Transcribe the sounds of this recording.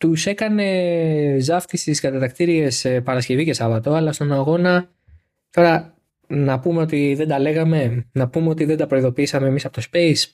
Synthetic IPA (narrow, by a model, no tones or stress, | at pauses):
t̪use̞kɐne̞zɐft̪isiskɐt̪ɐt̪ɐkt̪iɾie̞spɐɾɐsce̞vice̞sɐvɐt̪o̞ɐlɐst̪o̞nɐɣo̞nɐ | t̪o̞ɾɐ | nɐpume̞o̞t̪iðe̞nd̪ɐle̞ɣɐme̞nɐpumeo̞t̪iðe̞nd̪ɐpɾo̞iðo̞piisɐmeːmisɐpo̞t̪o̞spe̞is